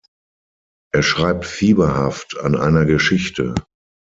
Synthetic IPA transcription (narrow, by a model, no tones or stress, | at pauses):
ʔeːɐʃʁ̥aɪp̚tfiːbɐhafta̰nʔa̰ɪnɐɡəʃɪçtə̰